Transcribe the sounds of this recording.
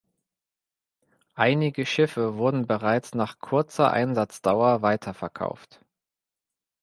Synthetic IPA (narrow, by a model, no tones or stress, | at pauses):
ʔaɪnɪɡəʃɪfəvʊɐdn̩bəʁaɪt͡snaːχkʰʊɐt͡sɐ̰ʔa̰ɪnzat͡sd̥aʊɐvaɪtʰɐfɛɐkʰa̰ʊft